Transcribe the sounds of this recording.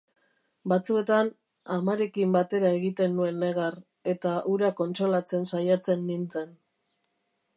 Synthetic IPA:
bat͡sue̞t̪an | amaɾe̞kimbat̪e̞ɾaeɣit̪e̞nːue̞nːe̞ɣar | e̞t̪aʔuɾako̞nt͡ʃɾo̞lat͡se̞nsajat͡se̞nːint͡se̞n

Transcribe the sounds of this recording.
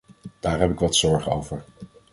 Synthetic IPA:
d̥aːɹɦɛpɪkʋɑtsɔɹχəo̰wvəɹ

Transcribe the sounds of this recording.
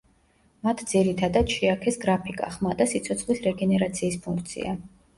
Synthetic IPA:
mat̪ʰd̪ziɾit̪ʰad̪at̪ʃiakʰɛsɡɾapʰikʼa̰χmad̪asit̪sʰɔt̪sχlisɾɛɡɛnɛɾat̪sʰiːspʰuŋkʰt̪sʰḭa̰

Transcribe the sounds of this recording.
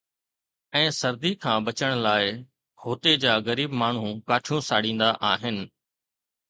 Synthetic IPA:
ɛ̃ːsɐɾd̪ikʰãːbɐt͡ɕəɽ̃laːɪ | hoːt̪ed͡ʑaːɣɐɾiːbmaːɳ̤ũkaːʈʰjũsaːɽĩːnd̪aʔaːɦɪnɪ̆

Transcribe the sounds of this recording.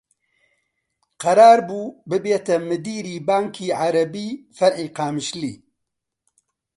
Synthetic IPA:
qɐɾaːɾbuːbɨbeːt̪ɐmɨd̪iːɾiːbaːŋkʰiːʕaɾɐbiːfɐɾħiːqaːmɨʃliː

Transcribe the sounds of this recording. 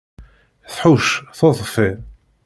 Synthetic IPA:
θħuʃθoðˤfɪ

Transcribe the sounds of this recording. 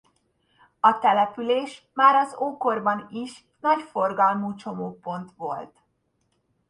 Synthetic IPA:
ɒt̪ɛlɛpyleːʃ | maːɾɒzoːkorbɒniʃ | nɒɟfo̞rɡɒlmuːt͡ʃo̞moːpo̞nt̪ʋo̞lt̪

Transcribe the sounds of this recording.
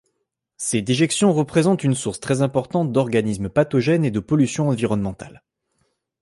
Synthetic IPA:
sed̪eʒɛksjɔ̃ʁəpχezɑ̃t̪ynsuʁst̪χɛzɛ̃pɔʁt̪ɑ̃t̪̚d̪ɔʁɡanismpat̪ɔʒɛned̪əpɔlysjɔ̃ɑ̃viʁɔnmɑ̃t̪a̰l

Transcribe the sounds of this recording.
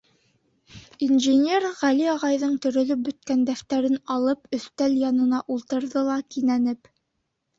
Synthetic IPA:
inʒɘnʲe̞rʁæliɑʁɑjðɤɴt̪ɵ̆ɾɵ̆lɵp̚bɵ̆t̪̚kænd̪æft̪æɾɘnɑlˠɤpɵ̆θt̪æljɑnɤ̆nɑʔulˠt̪ɤ̆ɾðɤlˠɑkinænɘp

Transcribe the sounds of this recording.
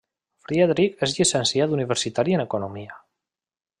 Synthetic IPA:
fɾiaðɾikezʎisənsjad̪uniβ̞əɾsit̪aɾiənəkunomia

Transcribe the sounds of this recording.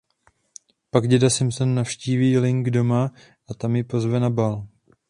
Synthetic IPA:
paɡɟɛdasɪmsonːafʃciːviːlɪŋɡdo̞ma | ʔat̪amjɪpo̞zvɛnabal

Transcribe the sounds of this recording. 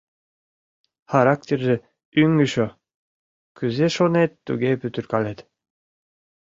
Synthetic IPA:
χaɾak̚t̪ʲerʒe | yŋyʃo | kyzeʃonet̪ːuɡepyt̪yɾkɑlet̪

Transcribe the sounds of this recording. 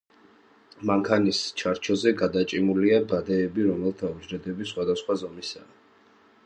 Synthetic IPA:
maŋkʰanist͡ʃʰaɾt͡ʃʰɔzɛɡad̪at͡ʃʼimuliabad̪ɛːbiɾɔmɛlˠt̪ʰaud͡ʒɾɛd̪ɛbisχwad̪asχwazɔmisaː

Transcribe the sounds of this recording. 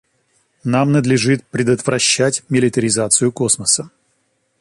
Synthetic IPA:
namnəd̪lʲɪʐɨt̪̚pɾʲɪd̪ət̪vɾɐɕːætʲmʲɪlʲɪt̪əɾʲɪzat̪sɨjʊkosməsə

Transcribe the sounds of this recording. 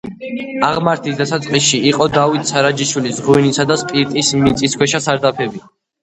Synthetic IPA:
aʁmaɾt̪ʰisd̪asat̪sʼqʼisʃiiqʼɔd̪avit̪ʰʼsaɾad͡ʒiʃwilisʁuinisad̪aspʼiɾt̪ʼismit̪sʼiskwɛʃasaɾd̪apʰɛbi

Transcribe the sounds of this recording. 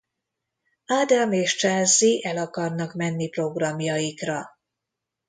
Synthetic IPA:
aːd̪ameːʃt͡ʃaːzːiʔɛlɒkɒrnɒkmɛnːipro̞ɡrɒmjɒjikrɒ

